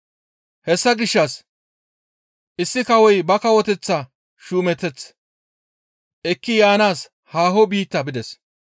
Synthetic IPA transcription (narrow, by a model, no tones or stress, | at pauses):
hɛsːɐɡɪʃːɐs | ʔɪsːɪkɐwɔjbɐkɐwɔt̪ɛt͡sːɐ | ʃuːmɛt̪ːɛt͡s | ʔɛkːɪjaːnaːs | haːɦɔbiːt̪ːɐbɪd̪ɛs